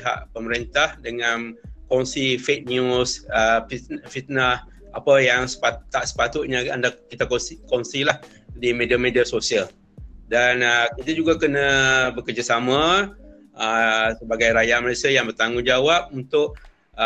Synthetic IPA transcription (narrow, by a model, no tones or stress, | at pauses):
iɦa̰ʔpəməɾint̪ahdəŋankɔnsifek̚nusəifit̪̚nəs | apajaŋsə̥pat̪aʔsə̥pat̪ʊt̪̚ɲaandakit̪akkɔnsilah | dimediamediasosial | danəkit̪ad͡ʒuɡakənabəkərd͡ʒasamã | əsəbaɡajɾajaməɾesajaŋbərt̪aŋud͡ʒawap̚unt̪ʊʔ